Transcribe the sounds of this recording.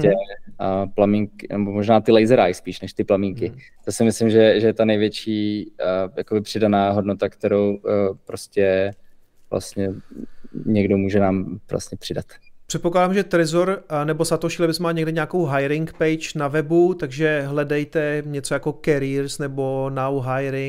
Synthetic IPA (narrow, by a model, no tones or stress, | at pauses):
ɛ | plamiŋkɪnɛbomoʒnaːt̪ɪlɛjzɛɾajspiːʃnɛʃt̪ɪplamiŋkɪ | t̪osɪmɪslɪmʒɛʒɛjɛt̪anɛjvjɛt͡ʃiː | jakobɪpr̥ɪdanaːɦodnot̪akt̪ɛɾowpɾoscɛ | vlʔa̰st̪ɲɛ | ɲɛɡdomuːʒɛnaːmvla̰st̪ɲɛpr̝̥ɪdat̪pr̝̥ɛt̪po̞klaːdaːmʒɛt̪ɾɪzoɾnɛbo̞sat̪oʃiːlɛbɪsmaːɲɛɡdɪɲaːko̞wɦajɾɪŋkpɛjt͡ʃnavɛbut̪aɡʒɛɦlɛdɛjt̪ɛɲɛt͡sojako̞kɛɾiːɾsnɛbo̞nawɦajɾɪŋ